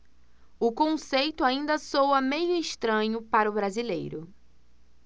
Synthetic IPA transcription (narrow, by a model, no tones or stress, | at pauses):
ʊkõsejt̪ʊaĩnd̪ɐsowɐmẽjʊɪʃt̪ɾɐ̃ɲʊpaɾʊbɾazilḛjɾʊ